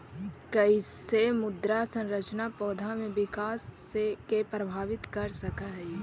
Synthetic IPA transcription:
kɐisemʊd̪ɾasə̃nɾət͡ʃnapɔːd̪ʱamẽʋɪkaːsːekepɾəbʱaːʋɪt̪kɐɾsɐkaɦ

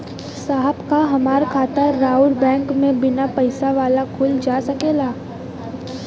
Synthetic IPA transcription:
saːɦəbkaɦɐmaːɾkʰaːt̪əɾaːʊlbɛ̃ːŋkmẽbɪnapɐɪsaʋaːlakʰʊld͡ʒaːsɐkeːlaː

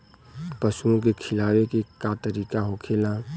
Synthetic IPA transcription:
pəsuõk̬ekʰɪlaːwekekat̪əɾiːkaɦokʰeːlã

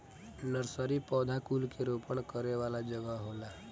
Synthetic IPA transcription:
nəɾsəɾipɔːd̪ʱakuːlkeɾoːpəɽ̃kəɾeʋaːlad͡ʒəɡəɦoːla

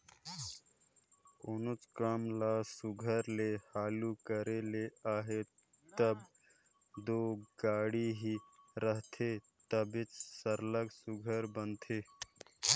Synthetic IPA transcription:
ʊnʊt͡ʃkəmlaːsʊɡʱəɾlehaːlukəɾeleaːɦe | t̪əb | d̪oːɡaːɽiɦiɾəɦt̪ʰe | t̪əbɪt͡ʃsəɾləksʊɡʱəɾbənt̪ʰeː

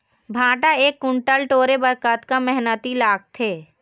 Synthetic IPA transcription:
bʱãːʈaeːkːʊɳʈəlʈoːɾebəɾkət̪kamɛɦnət̪ilaːk̚t̪ʰeː

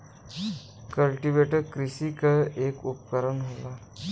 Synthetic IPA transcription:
kəlʈiʋeʈəɾkɾisikaekupkəɾənɦola

